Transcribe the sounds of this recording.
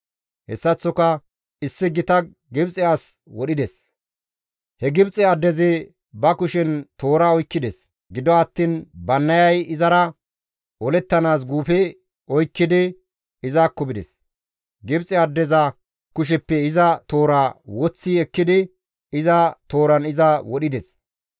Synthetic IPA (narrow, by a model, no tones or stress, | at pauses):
hɛ̰sːɐt͡sːɔkɐ | ɪsːɪɡɪt̪ɐ | ɡɪbt͡sʼɪjaːs | wɔɗɪd̪ɛs | hɛɡɪbt͡sʼɛɐd̪ːɛzɪ | bɐkʊʃɛnt̪o̞ːɾaːɔjkːɪd̪ɛs | ɡɪd̪ɔɐt̪ːiːnbɐnːɐjɐjɪzɐɾɐ | ʔɔlɛt̪ːɐnaːs̬ɡuːfɛ | ɔjkːɪd̪ɪ | ɪzaːkːɔbɪd̪ɛ̰s | ɡɪbt͡sʼɛɐd̪ːɛzɐ | kʊʃ̬ɛpːɛɪzɐt̪o̞ːɾaːwɔt͡sːiːɛkːɪd̪ɪ | ɪzɐt̪o̞ːɾɐnɪzɐwɔɗɪd̪ɛs